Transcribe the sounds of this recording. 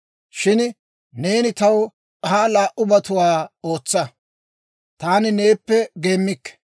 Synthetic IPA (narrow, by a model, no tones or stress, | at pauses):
ʃɪn | ne̞ːnɪt̪ɐw | kɐhaːlaːʔʊbɐt̪ʊwaːo̞ːt͡sːɐ | t̪aːnɪne̞ːpːɛɡe̞ːmːɪkːɛ̥